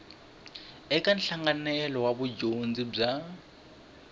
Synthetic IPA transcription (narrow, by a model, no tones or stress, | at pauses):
ɛkʼan̩ɬaŋɡanɛlɔwabʊd͡ʒond͡zib͡ʐa